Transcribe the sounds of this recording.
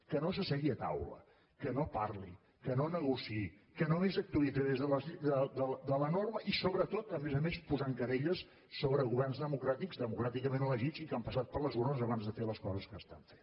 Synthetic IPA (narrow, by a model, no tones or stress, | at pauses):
kənos̬əsɛɣiət̪a̰wlə̰ | kənoparli | kənonəɣusi | kənoezək̚t̪wəlˠid͡zaðezðələzd̪əd̪əld̪ələnorməʔisoβɾət̪ot̪əmezəmespuzaŋkəɾeʎəsː | oβɾəɣuβɛrnzðəmukɾat̪iɡzðəmukɾat̪ikəmẽnələʒizikampəsat̪̚pəɾləzβonəzəβanzðəfeləskɔzəskəːst̪a̰ɱfen